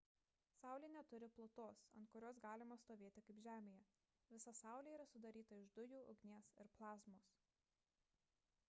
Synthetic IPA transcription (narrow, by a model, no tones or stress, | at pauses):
sɑˑʊlʲeːnʲɛt̪ʊɾʲɪplˠʊt̪oːsɐ̰nt̪̚kʊɾʲoːs̬ɡɑːlʲɪmɐst̪oːʋʲeːt̪ʲɪkɐɪpʒʲæːmʲeːjɛ | ʋʲɪsɐsɑˑʊlʲeːiːɾɐsʊd̪ɐɾʲiːt̪ɐɪʒd̪ʊjuːʔʊ̰ɡnʲeɛsɪɾplˠɑːzmoːs